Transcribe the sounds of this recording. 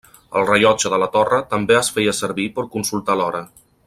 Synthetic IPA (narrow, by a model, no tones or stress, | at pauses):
ə̰lˠrəʎɔd͡ʒəðələt̪ɔrət̪əmbeəsfɛjəsəɾβipəɾkunsulˠt̪alɔɾə